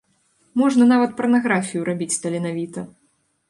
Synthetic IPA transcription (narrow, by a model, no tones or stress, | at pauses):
mɔʐnɐnavɐt̪̚pɐrnaɣɾafʲijuɾabʲit͡sʲst̪ɐlʲinavʲit̪ɐ